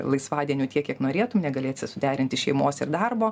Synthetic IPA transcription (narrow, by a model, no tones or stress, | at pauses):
lˠɐɪsʋɑːd̪ʲiɛnʲuːt̪ʲiɛkʲiɛknoːɾʲeːt̪ʊmnʲɛɡɐlʲeːsʲɪsʊd̪ʲæːɾʲɪnʲt̪ʲɪʃʲɛɪmoːsɪrd̪ɐrboː